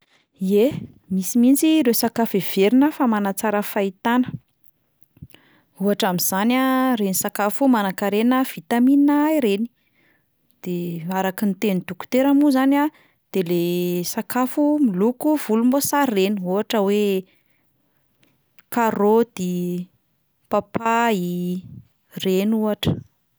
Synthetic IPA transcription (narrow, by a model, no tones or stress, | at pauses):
ie | misimint͡siɾesakafev̥eɾinəfamanat͡saɾəfait̪anə̥ | uɦaʈ͡ʂamiz̥anarenisakafumanakaɾenəv̥it̪aminaiɾeni̥ | d̪̥eaɾakint̪enid̪uku̥t̪eɾamuzana | d̪̥elesakafumilukuv̥ulumbosaɾreniuaʈ͡ʂəwe | kaɾod̪̥i | papai | renuaʈ͡ʂə̥